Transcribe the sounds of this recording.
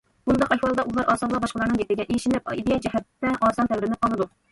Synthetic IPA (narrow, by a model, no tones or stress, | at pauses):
b̥und̪ɑqɛhwɑlˠd̪ɑʔulˠɑɾʔɑːsɑlˠɑbɑʃqəlˠɑɾnɨŋjep̪̚ɪɡʲɛʔeʃinlɪp̚id̪ejɛd͡ʒɛhɛt̪ːɛʔɑːsɑnt̪ʰɛwɾɪnɪp̚qʰɑlˠɨd̪u